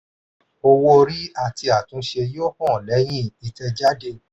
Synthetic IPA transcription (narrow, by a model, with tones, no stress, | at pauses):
o˧wo˧ɾi˦a˦˨ti˧a˨tũ˨˦ʃe˧jo˦kɔ̃˦˨lɛ˨˦j̃ĩ˦˨i˨tɛ˧d͡ʒa˦de˧